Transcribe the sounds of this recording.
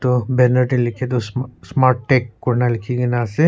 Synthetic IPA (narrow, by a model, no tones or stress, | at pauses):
t̪obɛnəɾʈĩlɪkʰet̪̬ossmaːɾʈːekːoɾnalɪkʰiɡenase